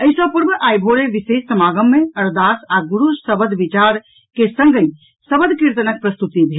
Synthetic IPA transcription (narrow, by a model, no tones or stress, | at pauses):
əjsɔ̃puɾbəʔajbʱoɾeʋisessəmaɡəmːeəɾd̪asaɡuɾusəbəd̪ʱbit͡ʃaɾ | kesəŋɡəj | səbəd̪ʱkiɾt̪ənək̚pɾəst̪ut̪ibʱe